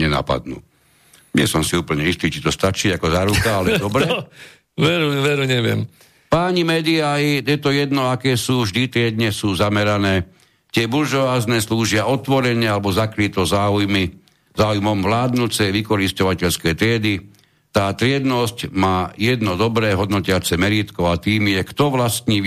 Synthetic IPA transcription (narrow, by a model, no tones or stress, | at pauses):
ɲɛna̰pa̰d̪nṵː | ɲɪɛ̰sɔmsiuːpl̩ɲɛist̪iːt͡ʃit̪ɔst̪at͡ʃiːakɔzaɾukaalɛd̪ɔbɾɛ | ʋɛɾuʋɛɾuɲɛʋɪɛ̰m | paːɲimɛːd̪iaijɛt̪ɔjɛd̪nɔakɛːsuːvʒd̪it̪ɾɪɛd̪ɲɛsuːzamɛɾanɛː | t̪ɪɛbulʒɔʋaːznɛːsluːʒɪaɔt̪ʋɔɾɛɲɛalɛbɔzakɾit̪ɔzaːujmi | zaːujmɔmʋlaːd̪nut͡sɛjʋikɔɾiscɔʋacɛʎskɛjt̪ɾɪɛd̪i | t̪aːt̪ɾɪɛd̪nɔscmaːjɛd̪nɔd̪ɔbɾɛːɦɔd̪nɔcɪat͡sɛmɛɾiːt̪kɔʊat̪iːmjɛkt̪ɔʋlast̪ɲiː